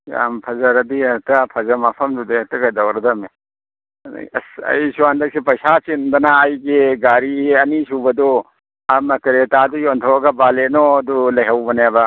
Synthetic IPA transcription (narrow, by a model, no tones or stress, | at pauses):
a̰mpʰɐzɐɾɐd̪iɐtɐpʰɐzɐmɐpʰɐmd̪ud̪eɐtɐɡɐd̪ɐwɾɐd̪ɐmḛ | ɐsɐ̰jsuand̪ɐk̚sipɐjsat͡ʃind̪ɐnaːjɡeɡaɾiɐnisubɐd̪ɔ | amɐkɐɾetad̪ujontʰɔwɐɡɐbalenɔɐd̪ulɐjɦɐwbɐnabɐ